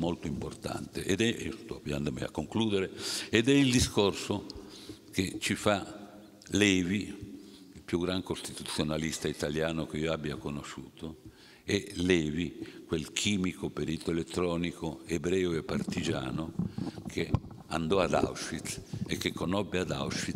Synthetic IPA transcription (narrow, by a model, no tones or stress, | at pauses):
molt̪oimport̪a̰nt̪eʔed̪ɛst̪ɔvja̰nd̪omḭa̰kːoŋkluːd̪eɾeed̪ɛild̪iskorso | ket͡ʃifa | lɛːvi | ilpjuɡɾaŋkost̪it̪ut̪sːjonalist̪ait̪aljaːnok̟eioabːiakonoʃuːt̪ʰo | elɛːvikwelkʰiːmikopeɾiːt̪oelet̪ːɾɔːnikoebɾɛːoepːart̪id͡ʒa̰ːnokʰe | and̪ɔad̪a̰wʃit̪ekːekːonɔbːead̪a̰wʃi